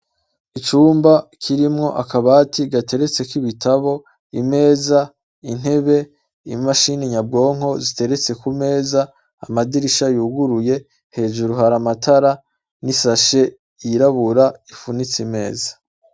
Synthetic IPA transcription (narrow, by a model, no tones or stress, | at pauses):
it͡ʃuːmbakʰiɾimŋo̞ʔakaβaːtiɡate̞ɾe̞t͡se̞kiβitʰaβo̞ | ime̞ːza | in̥he̞βe̞ | imaʃiniɲab̚ɡo̞ːŋ̥o̞zite̞ɾe̞t͡se̞kume̞ːza̰ː | madiɾiʃajuɡuɾuje̞ | he̞ːʒuɾuɦaɾamatʰaɾa | nisaʃe̞ | iɾaβuɾaifunit͡sime̞ːzḁ